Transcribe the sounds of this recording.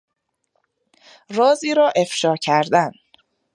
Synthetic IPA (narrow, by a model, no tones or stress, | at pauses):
rɒːziːɾɒːʔe̞fʃɒːɾcʰæɾd̪æn